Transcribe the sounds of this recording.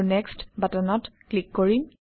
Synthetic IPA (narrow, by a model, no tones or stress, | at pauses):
nɛkstbatanɔtklikːɔɹim